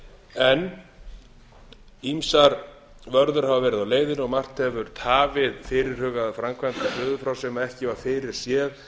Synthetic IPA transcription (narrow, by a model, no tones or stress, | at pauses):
ɛn | imsaɾ | vœɾðʏɾ̥havavɛːɾɪðawleːjðɪnɔɣmar̥t̪ɛvʏɾ̥t̪ʰaːvɪðfɪɾɪɾ̥hʏːɣaðfɾamkʰvɛnt̪afʏːðʏfɾawsɛmaɛhcɪvaɾ̥fɪɾɪɾ̥sjɛːð